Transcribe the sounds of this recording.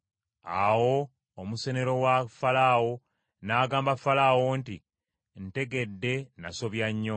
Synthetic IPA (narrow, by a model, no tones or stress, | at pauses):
a̰wo̞ː | muse̞ne̞ɾo̞wafalawo̞ | naːɡaːmbafalawonti | n̩te̞ɡe̞dːe̞naso̞βjaɲːo